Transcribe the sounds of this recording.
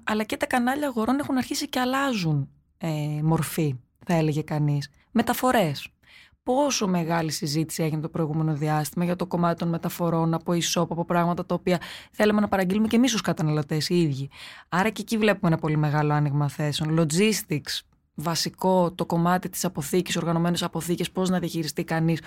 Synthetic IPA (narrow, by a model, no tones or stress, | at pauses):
ɐlɐcet̪ɐkɐnɐʎɐːɣo̞ɾo̞ne̞xunɐɾçisiceɐlɐzun | emo̞ɾfi | θɐe̞le̞ʝe̞kɐnis | me̞t̪ɐfo̞ɾe̞s | po̞so̞me̞ɣɐlisizit̪i̥sie̞ʝinet̪o̞pɾo̞iɣume̞no̞ðiɐst̪imɐʝɐt̪oko̞mɐt̪i̥t̪o̞nme̞t̪ɐfo̞ɾo̞nɐpo̞iso̞pɐpo̞pɾɐɣmɐt̪ɐt̪ɐopiɐθe̞leme̞nɐpɐɾɐɲɟilumece̞mis̬oskɐt̪ɐnɐlo̞t̪e̞siiðʝiɐɾɐceːcivle̞pumeenɐpo̞lime̞ɣɐlo̞ɐniɣmɐθe̞seo̞nlo̞d͡zist̪iks | vɐsiko̞t̪o̞ko̞mɐt̪it̪i̥sɐpo̞θici̥so̞ɾɣɐno̞me̞nesɐpo̞θice̞spo̞znɐðiɐçiɾist̪ikɐnis